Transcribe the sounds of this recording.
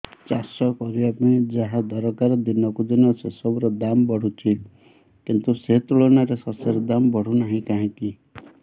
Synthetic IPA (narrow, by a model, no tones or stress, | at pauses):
t͡ʃasɔkɔɾiapɔĩd͡ʒaɦãd̪ʱɔɾɔkaɾd̪inɔkud̪inɔsʰesɔbɾɔd̪ambɔɽ̤ut͡ʃʰi | kint̪uset̪uɭɔnaɾesaseɾɔd̪ambɔɽ̤unaɦĩkaɦĩki